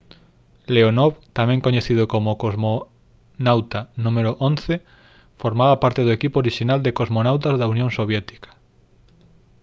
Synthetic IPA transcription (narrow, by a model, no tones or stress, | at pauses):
leonɔβt̪amɛ̃ŋkoɲeθið̞ʊkomokozmo | nawt̪anũmeɾʊʔõnθe | foɾmaβapaɾt̪eð̞oekipoɾiʃinald̪ekozmonawt̪azðaunjõŋsoβjɛt̪i̥kḁ